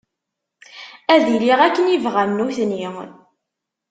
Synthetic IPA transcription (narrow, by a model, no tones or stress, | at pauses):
æðiliʁækːənivʁænːuθni